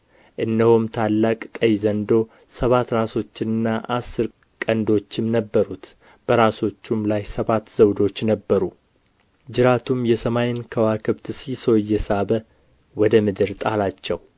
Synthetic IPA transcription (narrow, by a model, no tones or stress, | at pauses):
ʔɨnd̪əhumt̪ʰalːakʼkʼəjzənd̪o̞ | səβat̪ɾaso̞t͡ʃːɪnɨnːaʔasːɨɾ | kʼənd̪o̞t͡ʃːɪmnəbːəɾut̪ | b̥əɾaso̞t͡ʃːumlajsəβat̪ːzəwd̪o̞t͡ʃːnəbːəɾu | d͡ʒɪɾat̪ʰumjɛsəmajɪnkʰəwakʰɨβt̪sisojːɛsaβə | wɔd̪əmɨd̪ɨɾt̪ʼalat͡ʃːɛw